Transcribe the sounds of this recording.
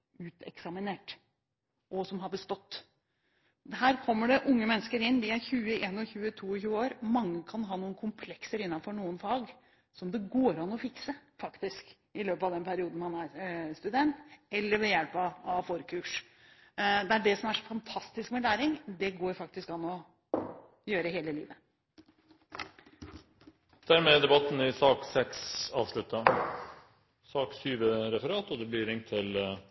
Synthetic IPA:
ʉːt̪ʰɛ̰ksɑmɪneːʈ | ʔɔsɔmɦɑɾbəst̪ɔt̪ː | ɦæːɾkʰɔmːəɖɛʔʊŋːəmɛnːəskəɾɪnːd̪ɪæɾçʉːəʔeːnɔçʉːət̪ʰuːɔçʉːəoːɾmɑŋːəkʰɑnɦɑːnuːənkʰʊmpʰlɛksəɾɪnːɑnfɔɳuːənfɑːɡ | sɔmd̪ɛɡoːɾɑnɔfɪksəfɑkt̪ɪsk | ɪløːpɑʋd̪ɛnpʰæɾɪuːd̪n̩hɑnæɾst̪ʉd̪ɛnt̪ɛlːəɾʋɛjælpɑɑfɔɾkʰʉːʂ | d̪ɛæɖɛsɔmæʂɔfɑnt̪ʰɑst̪ɪskmɛlæːɾɪŋd̪ɛɡoːɾfɑk̚t̪ɪskɑnːɔ | jøːɾəɦeːləlḭːʋə | d̪̥æːɾmeːd̪ɛbɑt̪n̩ɪsɑːksɛksɑ̰ːʋʂɭʉt̪ːɑ | sɑːksyːʋəɾɛfəɾɑːt̪ɔd̪ɛblɪɾɪŋt̪ʰːɪl

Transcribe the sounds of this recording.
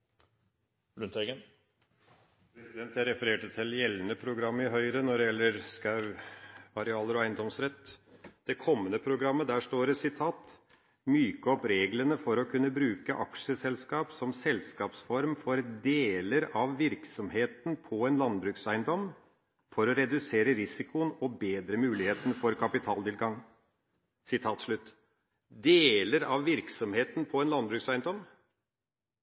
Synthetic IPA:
lʉnt̪ʰɛɡən | pʰɾɛsɪd̪ɛnt̪hæɪɾɛfəɾeːʈət̪ʰɪljɛlːənəpʰɾʊɡɾɑmːəɪɦœʏɾənɔɖɛjɛlːəɾskɑʉ | ɑɾɛɑːləɾɔæɪnd̪ɔmsɾɛt̪ːd̪̥ɛkʰɔmːənəpʰɾʊɡɾɑmːəd̪æːʂʈoːɾəsɪt̪ʰɑːt̪ | myːkəɔpɾeːɡlənəfɔɾɔkʰʉnːəbɾʉːkəʔɑkʂəsɛlskɑːpsɔmsɛlskɑːpsfɔɾmfɔɾd̪eːləɾɑʋʋɪɾksɔmheːt̪npʰɔɛnlɑnbɾʉːksæɪnd̪ɔmː | fɔɾɔɾɛd̪ʉseːɾəɾɪsɪkʊənɔbeːd̪ɾəmʉːlɪheːt̪ənəfɔɾkʰɑpɪt̪ʰɑːlt̪ɪlɡɑŋ | sɪt̪ʰɑːt̪ʂɭʉt̪ː | d̪eːləɾɑʋʋɪɾksɔmheːt̪npʰɔɛnlɑnbɾʉːksæɪnd̪ɔm

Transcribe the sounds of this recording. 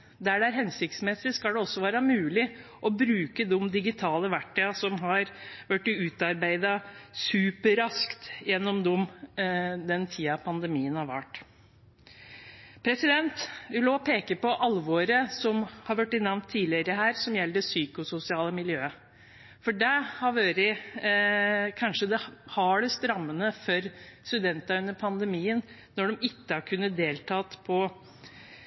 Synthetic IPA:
d̪æɖɛæɾɦɛnsɪk̚t̪smɛsːɪskɑlɖ̪ɛɔsːɔʋæːɾəmʉːlɪ | ʔɔbɾʉːkəd̪ɔmd̪ɪɡɪt̪ʰɑːləʋæʈːəɑsɔmɦɑɾʋæʈːʉːt̪ɑɾbæɪd̪ɑsʉːpəɾɑskt̪jɛnːɔmd̪ɔm | d̪ɛnt̪ʰiːɑpʰɑnd̪ɛmiːənɑʋʋæʈː | pʰɾɛsɪd̪ɛnt̪ɪloɔpʰeːkəpɔʔɑlʋoːɾəsɔmhɑɾʋæʈːɪnɑʋnt̪ʰːiːlɪəɾəɦæːɾsɔmjɛlːd̪əsyːkʊsʊsɪɑːləmɪljøːə | fɔɖɛhɑɾʋøːɾɪ | kʰɑnʂəd̪ɛhɑɖɛst̪ɾɑmːənəfœɾst̪ʉd̪ɛnt̪ɑʉnːəɾpʰɑnd̪ɛmiːən | nɔɖɔmɪkːəɑkʰʉnːət̪̚d̪eːlt̪ʰɑːt̪pʰɔ

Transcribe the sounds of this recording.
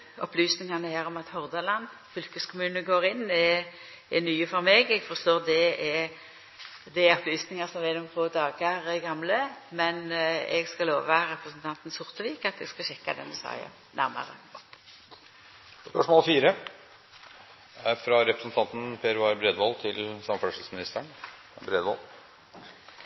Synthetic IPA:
ɔplyːsnɪŋɑnəhæːɾɔmɑt̪hɔʁd̪ɑlɑn | fʏlkəskʰʊmʉːnəɡoːɾɪnːɛ | ɛnyːəfɔɾmeːɡɛɡfɔʁst̪oːʁd̪ɛɛ | d̪ɛɛɔpʰlyːsnɪŋɑsɔmʋɛnʊmfʰoːd̪ɑːɡɑɾɛɡɑmləmɛnɛ̰ɡskɑloːʋʋɑɾɛpɾəsən̩t̪ʰɑnt̪n̩sʊʁt̪əʋiːkɑt̪ɛɡskɑɕɛkːɑd̪ɛnd̪ɛsɑ̰ɪɑ̰ | næɾmɑ̰ʁə̰ | spœʂmoːlfiːɾə | fɾɑɾɛpɾəsn̩t̪ʰɑnt̪n̩pʰeːɾʊɑɾbɾeːd̪ʋɔlt̪ʰɪlsɑmfʂlsmɪnɪst̪əɳ | bɾeːd̪ʋɔl

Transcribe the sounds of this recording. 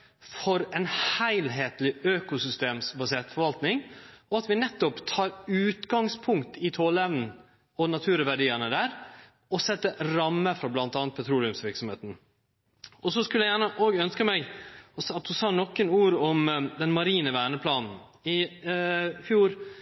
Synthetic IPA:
fɔɾɛnhæɪlɦeːt̪lɪøːkʊsʏst̪eːmsbɑseːt̪fɔɾʋɑlt̪nɪŋɔɑt̪ʋɪnɛt̪ːɔpt̪ʰɑːɾʉːt̪ɡɑŋspʰʊŋkt̪ɪt̪ʰoːlɛʋnn̩ | ɔnɑt̪ʰʉːɾʋæɖiːənəd̪æːɾ | ɔsɛt̪ːəɾɑmːəfɾɑblɑnt̪ɑːnt̪̚pʰɛt̪ʰɾuːlɪʉmsʋɪɾksɔmhḛːt̪n̩ | ɔs̬ɔskʉljæjæːɳəʔoːɡœnskəmɛɡɔsɑt̪̚d̪ʉsɑːnɔkːənuːɾɔmd̪ɛnmɑɾiːnəʋæːɳəpʰlɑːnn̩ | ɪ | fjuːɾ

